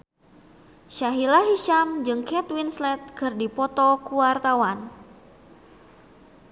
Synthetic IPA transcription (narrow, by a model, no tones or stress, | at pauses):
ʃaɦilaɦiʃamd͡ʒɨŋkɛt̪winslɛt̪̚kɨrdipɔt̪ɔkuwart̪awan